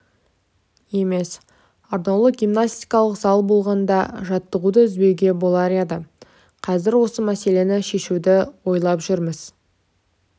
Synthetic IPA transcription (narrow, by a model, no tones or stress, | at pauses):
je̞me̞s | ard̪owlˠəɡʲimnast̪ijkɑlˠəqzɑlˠbo̞lˠʁɑnd̪ɑ̰ʒɑt̪ːəʁud̪əʏzbe̞wɡʲe̞bo̞lˠɑɾed̪ə | qʰɑzɪɾwo̞səmæse̞le̞nɪʃe̞ʃuwd̪ɪwo̞jlˠɑpʒʏɾməz̥